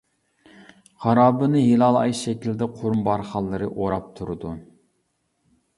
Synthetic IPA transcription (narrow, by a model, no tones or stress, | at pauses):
χɑɾɑːbɨnɨɦilˠɑlˠɑ̰jʃɛkʲild̪ɛqʰoɾmbɑɾχɑlˠːɨɾɨʔoɾɑp̚t̪ʰuɾɨd̪u